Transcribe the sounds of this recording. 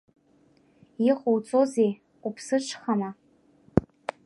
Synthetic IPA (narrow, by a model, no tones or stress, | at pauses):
jiχʼowt͡sʼozejʷʼ | upʰsɨʈ͡ʂʷʰχama